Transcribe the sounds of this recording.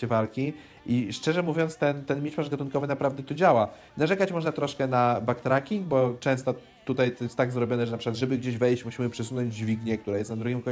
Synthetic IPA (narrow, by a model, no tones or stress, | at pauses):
ɛvalkʲi | ʔiʂt͡ʂɛʐɛmuvʲjɔnt̪st̪ɛnt̪ɛnmʲit͡ʂpaʐɡat̪unkɔvɘnapɾavd̪ɛt̪ɔd͡ʑawa | naʐɛkat͡ɕmɔʐnat̪ɾɔʂkɛnabakt̪ɾakʲiŋɡ̚bɔt͡ʂɛ̃w̃st̪ɔ | t̪ːut̪ajt̪ɔjɛst̪ːaɡzɾɔbʲjɔnɛʐɛnapʂɘ̥kwad̪ʐɛbɘɡd͡ʑeʑvɛjɕt͡ɕmuɕimɘpʂɛsunɔ̃ɲd͡ʑd͡ʑvʲiɡɲɛkt̪uɾajɛst̪nad̪ɾuɡʲimkɔ